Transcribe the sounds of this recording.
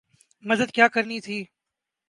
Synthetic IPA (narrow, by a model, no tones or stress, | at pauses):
mɐzəd̪̚kjaːkəɾnit̪ʰiː